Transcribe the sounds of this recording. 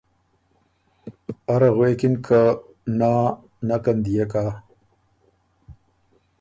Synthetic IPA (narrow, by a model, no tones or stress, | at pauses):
aɾaɣwekinkʰa | naː | nakand̪ijekaː